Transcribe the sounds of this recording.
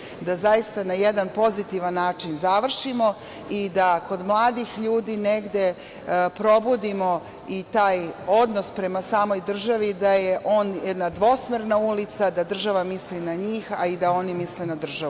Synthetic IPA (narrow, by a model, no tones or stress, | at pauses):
d̪azajist̪anajed̪anpo̞zit̪iʋanːaːt͡ʃinzaʋr̩ʃimo̞ | id̪ako̞d̪mlˠaːd̪ixʎuːd̪iːneɡd̪e̞ | pɾo̞bud̪imo̞ | it̪aːjo̞d̪no̞spɾe̞masaːmo̞jd̪r̩ʒaʋid̪aje̞ʔo̞ːnjed̪nad̪ʋo̞smeɾnaulit̪sad̪ad̪r̩ʒaʋamislinaɲiːxaid̪ao̞nimislenad̪r̩ʒau